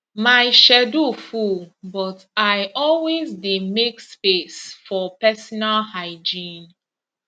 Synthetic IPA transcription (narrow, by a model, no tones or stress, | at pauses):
maɪʃɛdofubɔt | ajʔɔlwezdemekspesfɔpɛsɔnalhaɪd͡ʒĩn